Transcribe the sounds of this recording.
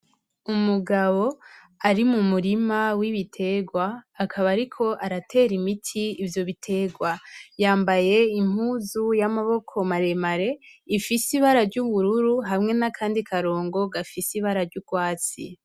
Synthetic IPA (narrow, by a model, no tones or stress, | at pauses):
umuɡaβo̞ | aɾimumuɾimawiβitʰe̞ɡwaːkʰaβaɾikʰo̞ʔaɾatʰe̞ɾimitʰiːvjo̞βitʰe̞ɡwajaːmbaje̞im̥uːzujamaβo̞kʰo̞maɾe̞maɾe̞ifisiβaɾaɾɟuβuɾuɾuɦamŋe̞nakʰaːndikʰaɾo̞ːŋɡo̞ɡafisiβaɾaɾɟuɡwaːt͡sḭ